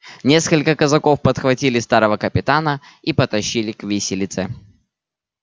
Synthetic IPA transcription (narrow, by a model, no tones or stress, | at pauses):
nʲe̞skəlʲkəkəzɐkofpət̪xvɐtʲilʲɪst̪aɾəvəkəpʲɪt̪anə | ipət̪ɐɕːilʲɪkvʲisʲɪlʲɪt̪sɛ